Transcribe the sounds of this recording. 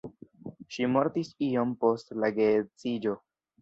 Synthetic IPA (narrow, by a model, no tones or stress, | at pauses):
ʃimo̞ɾtisio̞mpo̞stlaɡet͡sid͡ʒo̞